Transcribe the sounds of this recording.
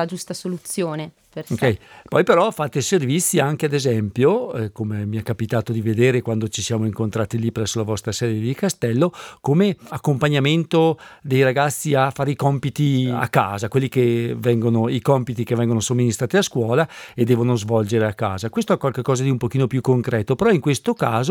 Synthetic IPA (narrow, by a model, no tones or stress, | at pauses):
ad͡ʒust̪asolut̪sːjoːne | peokɛjpɔjpeɾɔfaːt̪eservit̪sːiaŋkead̪ezɛmpjokomemiakːapit̪aːt̪od̪ived̪eːɾekwand̪ot͡ʃisjaːmoiŋkont̪ɾaːt̪ilipɾɛsːolavɔst̪ɾasɛːd̪jed̪ikast̪ɛlːokomeakːompaɲːament̪od̪ejɾaɡat̪sːiafːaːɾeikɔmpit̪ia̰kːa̰ːzakwelːikevɛŋɡonoikɔmpit̪ikevɛŋɡonosomːinist̪ɾaːt̪iaskwɔːlaed̪ːɛːvonozvɔld͡ʒeɾeakːa̰ːzakwest̪oɛkːwalkekːɔːzad̪iumpokiːnopjukːoŋkɾɛːt̪opeɾɔiŋkwest̪okaːzo